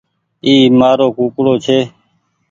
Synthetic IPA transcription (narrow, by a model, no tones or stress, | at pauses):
iːmaːɾoːkuːkɽoːt͡ʃʰeː